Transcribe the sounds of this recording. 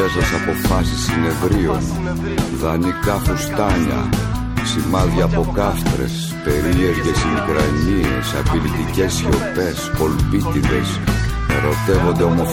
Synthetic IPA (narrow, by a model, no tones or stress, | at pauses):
esɐsɐpo̞fɐsisine̞vɾio̞n | ðɐnikɐfust̪ɐɲɐ̰ | simɐðʝɐːpo̞kɐft̪ɾe̞̰s | pe̞ɾie̞ɾʝe̞sinukɾɐɲie̞̰sɐpilit̪ice̞sço̞pe̞spo̞lpit̪iðe̞s | ɾo̞t̪e̞vo̞nd̪e̞o̞mo̞f